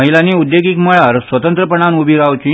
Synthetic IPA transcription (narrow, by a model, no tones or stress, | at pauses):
əɦilaniːud̪joɡikməɭaɾsʋət̪ənt̪ɾəpəɳanubʱiɾaʋt͡ɕi